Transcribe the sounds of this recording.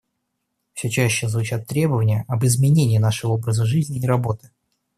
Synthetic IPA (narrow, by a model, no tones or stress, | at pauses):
fsʲɵt͡ɕæɕːɪzvʊt͡ɕat̪ːɾʲe̞bəvənʲɪjəʔɐbɨzmʲɪnʲenʲɪjːnaʂɨvəobɾəzəʐɨzʲnʲɪːɾɐbo̞t̪ɨ̥